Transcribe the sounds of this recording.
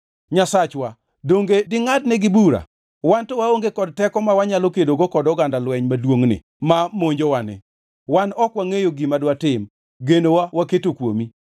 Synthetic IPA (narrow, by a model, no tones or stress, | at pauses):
ɲasat͡ʃwa | doŋɡedɪŋadnɛɡɪbuɾa̰ | wantɔwaoŋɡekɔd̚tɛkɔmawaɲalokedoɡokɔdɔɡandalwɛɲmadwoŋnɪ̰ | mamoɲd͡ʒowanɪ̰ | wanɔkwaŋejoɡimadwatɪm | ɡenowawaketokwomi